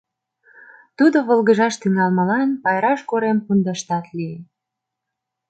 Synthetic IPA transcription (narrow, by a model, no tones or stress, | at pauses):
t̪ud̪oβəlɣəʒɑʃt̪yŋɑlmə̆lɑnpɑjɾɑʃkoɾempund̪ɑʃt̪ɑt̪lie